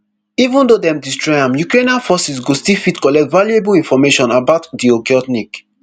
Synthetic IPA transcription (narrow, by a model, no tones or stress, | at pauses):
ivũndodɛ̃mdistɹɔjãmjukɹẽnãfɔsisɡostilfitkɔlɛk̚tvaljuebulĩnfɔmeʃɔ̃nabaʊtdiokeɔtnik